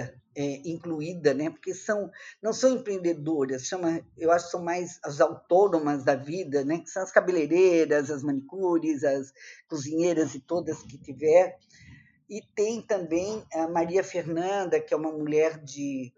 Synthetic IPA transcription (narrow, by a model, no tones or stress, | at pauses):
ɐɛĩŋkluid̪ɐnɛpo̥ɾkesɐ̃w̃nɐ̃w̃sɐ̃w̃ẽpɾẽnd̪ed̪oɾɐsʃɐ̃mɐewaʃʊkɪ̥sɐ̃w̃majzɐzawt̪onõmɐzd̪ɐvid̪ɐnɛkɪ̥sɐ̃w̃ɐskabeleɾeɾɐzɐzmɐ̃nikuɾɪzɐskuzĩɲeɾɐzɪt̪od̪ɐskɪt͡ʃivɛɾ̃ | ɪt̪ẽj̃t̪ɐ̃mbẽj̃ɐmaɾiɐfeɾnɐ̃nd̪ɐkɪɛũmɐmuʎɛɾd͡ʒɪ